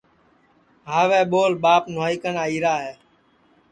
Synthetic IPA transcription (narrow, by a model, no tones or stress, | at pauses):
ɦaːʋɛːɓoːlɓaːpnaːiːkənaːiːɾaːɦeː